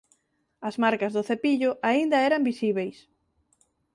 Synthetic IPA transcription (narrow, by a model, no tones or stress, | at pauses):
ɐzmaɾkɐzðʊθepiʎʊʔaind̪ɐɛɾɐmbisiβejs